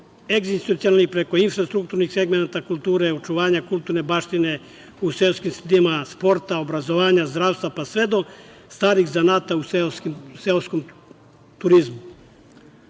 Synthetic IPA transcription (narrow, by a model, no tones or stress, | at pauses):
eɡzist̪t̪ut̪sioalnixpɾe̞ko̞infɾast̪ɾukt̪uɾnixseɡmenat̪akulˠt̪uːɾeot͡ʃuʋaːɲakult̪uɾne̞baʃt̪ine̞ | uselskimsed̪imaspo̞ɾt̪aobɾazo̞ʋaːɲazd̪ɾaːʋst̪ʋapasʋe̞d̪o̞ | st̪aːɾiɣzanaːt̪auseskimseloskom | t̪uɾizmu